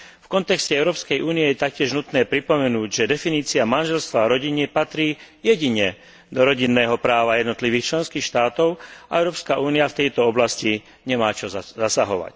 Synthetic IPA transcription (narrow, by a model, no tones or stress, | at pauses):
fkɔnt̪ɛkscɛɛʊɾɔːpskɛjʔuːniɛjɛt̪ak̚cɪɛʒnut̪nɛːpɾipɔmɛnuːɟʒɛd̪ɛfiniːt͡siamanʒɛlst̪ʋaɾɔɟiɲɛpat̪ɾiːjɛɟiɲɛ | d̪ɔɾɔɟinːɛːɦɔpɾaːʋajɛd̪nɔt̪liʋiːxt͡ʃlɛnskiːxʃt̪aːt̪ɔʊa̰ɛʊɾɔːpskaʔuːniaft̪ɛjt̪ɔɔblasci | ɲɛmaːt͡ʃɔzasaɦɔʋa̰c